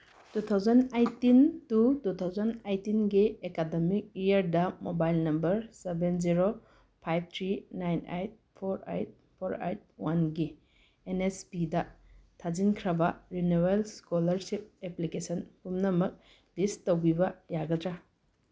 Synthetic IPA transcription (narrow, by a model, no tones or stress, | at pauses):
tut̪ʰawzandajtːintutut̪ʰawzandejtinɡiekademik̚ijaɾdamobajlnɐmbɐɾsebenziɾo | pʰajb̚t̪ʰɾinajna̰jt̚pʰɔɾa̰jt̚ | pʰɔɾa̰jt̚wanɡi | enespidatʰazinkʰɾabaɾinuwelskɔlɐɾsip̚eplikesɔnpumnamɯk̚ | d̥istɔwbibajaɡatɾa